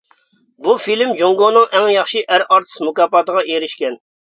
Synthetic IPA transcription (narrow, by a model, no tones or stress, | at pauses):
bufilmd͡ʒoŋɡonɨŋɛŋjɑχʃiʔæɾɑɾt̪ʰɨ̥smukɑːpɑt̪əʁɑʔeɾɪʃkʲɛn